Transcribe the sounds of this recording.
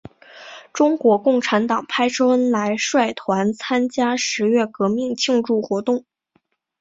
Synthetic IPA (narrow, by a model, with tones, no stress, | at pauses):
ʈ͡ʂʊ˥ŋkwɔ˧˥kʊ˥˩ŋʈ͡ʂʰa˧˥nt̪ɑ˨˩ŋpʰa˥ɪʈ͡ʂʰɤ˥ə˥nla˧˥ɪʂwa˥˩ɪt̪ʰwa˧˥nt͡sʰa˥nt͡ɕja˥ʂɻ̩˧˥ɥɛ˥˩kɤ˧˥mi˥˧ŋt͡ɕʰi˥˧ŋʈ͡ʂu˥˩xwɔ˧˥t̪ʊ˥˩ŋ